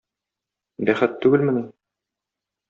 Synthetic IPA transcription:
bæχɘt̪ːʉɡɘlmɘ̆nɘ

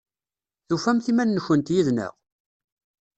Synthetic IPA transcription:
θufæmθimænːəçənt̪jiðnə̰ʁ

